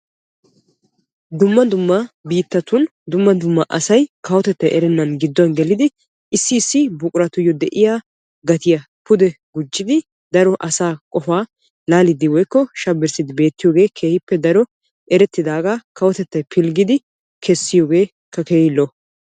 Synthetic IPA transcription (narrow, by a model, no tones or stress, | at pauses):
d̪ʊmːɐd̪ʊmːɐbiːt̪ːɐt̪ʊnd̪ʊmːɐd̪ʊmːɐʔɐsɐjkɐwɔt̪ɛt̪ːɐjʔɛɾɛnːɐnɡɪd̪ːɔnɡɛlɪd̪ɪ | ɪsːɪːsːɪbʊkʼʊɾɐt̪ʊjːɔd̪ɛʔɪjaː | ɡɐt̪ɪjɐ | pʊd̪ɛɡʊd͡ʒːɪd̪ɪ | d̪ɐɾɔʔɐsaːkʼɔfaː | laːlɪd̪ɪwɔjkːɔʃɐbːɪɾsɪd̪ɪbe̞ːt̪ːɪjoːɡe̞ːkʰe̞ːhɪpːɛd̪ɐɾɔ | ʔɛɾɛt̪ːɪd̪aːɡakɐwɔt̪ɛt̪ːɐjpʰɪlɡɪd̪ɪ | kʰɛsːɪjo̞ːɡe̞ː | kːɐkeːɪlːɔ